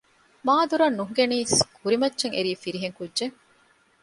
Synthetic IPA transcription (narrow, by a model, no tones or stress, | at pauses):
maːd̪uɾɐnːuɦ̆ɡeniːskʰuɾimɐtːʃeŋʔḛɾiːfiɾiɦeŋkudːʒeŋ